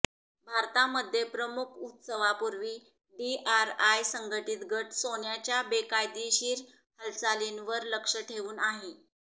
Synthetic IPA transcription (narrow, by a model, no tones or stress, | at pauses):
bʱaɾt̪aməd̪ʱːjepɾəmukʰut̪səʋapuɾʋiː | ɖiʔaɾajsəŋɡəʈit̪ɡʱəʈsoɳjat͡ɕjabekajd̪iɕiːɾ | həlsalinʋəɾləkʂəʈʰeʋuːnaɦe